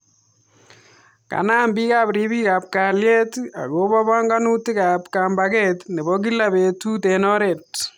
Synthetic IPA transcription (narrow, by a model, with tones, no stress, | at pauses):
ka̰˨naː˦mbi˦ka˦pɾi˦bi˦ka˨p̚ka˨lje˦ta̰˨kobɔ˦bɔ˦ŋɡa˦nu˦ti˦ka˨pka˨mbaketne˨bɔ˦k̬i˦la˦be˨tu˦tenɔ˦ɾe˨t̚